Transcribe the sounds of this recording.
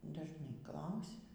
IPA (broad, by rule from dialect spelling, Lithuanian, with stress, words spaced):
dɐʒˈnɐɪ ˈklˠɐʊsʲɛ